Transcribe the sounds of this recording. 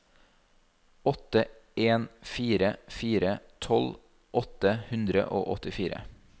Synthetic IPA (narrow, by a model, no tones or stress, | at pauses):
ɔt̪ə | eːnfiːɾəfiːɾət̪ʰɔl | ʔɔt̪əhʉnd̪ɾə̰ʔo̰ːʔɔt̪ɪfiːɾə̰